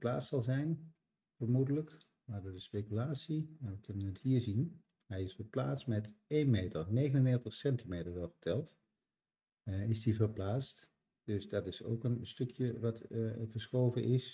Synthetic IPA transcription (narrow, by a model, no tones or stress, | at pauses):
plaːstsɑlˠzɛjn | fəɹmudələk | maːɹdoːɹdəspejkylaːtsimaʋəkɵnənətɦiːɹzin | ɦɛjɪsfəɹplaːtstmɛtejnmejtəɹnejɣənəndɛɹtəχsɛntimejtəɹʋɔətʰɛlˠt | ɪsdivəɹplaːst | d̥ɵsdɑtɪso̰wkənstɵkʰjəʋɑtvəɹsχowvənʔɪs